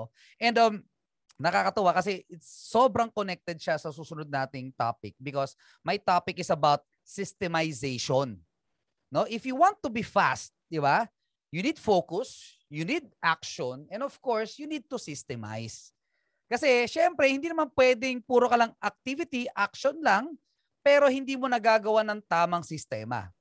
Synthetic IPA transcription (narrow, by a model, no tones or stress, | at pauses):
ʔɛ̃nd̪ɐm | nɐkakɐt̪ɐwakɐs̬ɛʔɪt̪sːobɾɐŋkonɛk̚t̪ɛd̪̚ʃasɐsuːsʊnʊd̪̚naːt̪ɪŋt̪a̰ːpɪk̚bɪkos | mɐjt̪apɪkɪsɐbawt̪̚ | sɪst̪ɛmajsejʃonː | o̞ʔɪfjʊwãnt̪ːʊbifa̰st̪̚d̪ɪba | junid̪fokʊs | junid̪̚ʔak̚ʃonɛnd̪ofv̥koɹsjunid̪̚t̪usɪst̪ɛma̰js | kɐsɛʃɛmpɾɛhɪnd̪iːnɐmanpwɛːd̪ɪŋpuːɾokɐlɐŋʔɐk̚t̪ivɪt̪iʔak̚ʃonlɐŋ | pɛːɾohɪnd̪iːmonɐɡaːɡɐwanɐŋt̪aːmɐŋsɪst̪ɛːmɐ̰